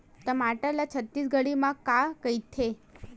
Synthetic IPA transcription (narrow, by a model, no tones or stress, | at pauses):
t̪əmaʈəlat͡ʃʰət̪ːisɡəɽimãkakəjt̪ʰe